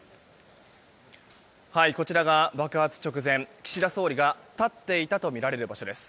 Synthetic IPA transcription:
haiko̞t͡ɕiɾaɡabakɯ̟hat͡sɨ̥t͡ɕo̞kɯ̟zẽ̞ŋkʲi̥ɕid̪aso̞ːɾʲiɡat̪at̪ːe̞it̪at̪o̞mʲiɾaɾe̞ɾɯ̟baɕo̞d̪e̞sɨ̥

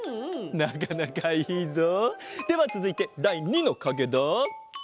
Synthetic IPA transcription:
nak̬anakaiːzod̪̥e̞βat͡sɨzɨit̪e̞d̪aiɲ̟ino̞kaɡed̪o

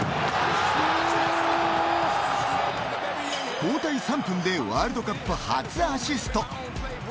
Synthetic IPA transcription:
poːt̪aisampʰɯnd̪ewaːɾɯd̪okapːɯhat͡sɨaɕisɨ̥t̪o

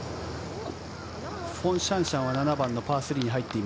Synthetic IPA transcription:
ɸõ̞ɰ̃ɕãɰ̃ɕãɰ̃βananabãnːo̞paːsɨɾʲiɲ̟iɦait̪ːe̞im

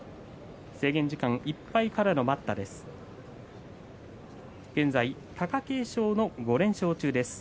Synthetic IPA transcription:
se̞ːɡẽ̞ɲ̟d͡ʑikãŋʔipːaikaɾano̞mat̪ːad̪e̞sɨ̥ | ɡ̥ẽ̞nd͡zai | k̪ʰakake̞ːɕo̞ːno̞ɡo̞ɾẽ̞ɰ̃ɕo̞ːt͡ɕɨːd̪e̞sɨ̥

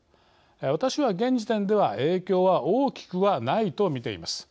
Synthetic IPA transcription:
β̞at̪aɕiβaɡẽ̞ɲ̟d͡ʑit̪ẽ̞nd̪e̞βaʔe̞ːkʲo̞ːβaʔoːkʲi̥kɯ̟βanait̪o̞mʲit̪e̞ḭmasɨ̥

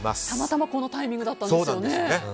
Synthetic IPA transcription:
ma̰st̪amat̪amako̞no̞t̪aimʲĩŋɡɯ̟d̪at̪ːãnsoːnãjonene

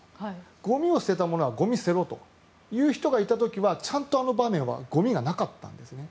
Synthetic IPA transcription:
hɡ̥o̞mʲio̞sɨ̥t̪e̞t̪amo̞no̞βaɡo̞mʲisɨe̞ɾo̞t̪o̞ | jɯ̟ːçi̥t̪o̞ɡait̪at̪o̞kʲiβat͡ɕãnt̪o̞ano̞bamẽ̞ɰ̃βa̰ɡ̥o̞mʲiɡanakat̪ːã̰nd̪e̞sɨne̞

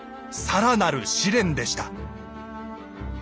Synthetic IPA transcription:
saɾanaɾɯ̟ɕiɾẽ̞nd̪e̞ɕi̥t̪a

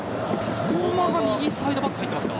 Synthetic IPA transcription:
sonomakaɲiisaid̪o̞bakːɯhait̪ːemasɨ̥ka

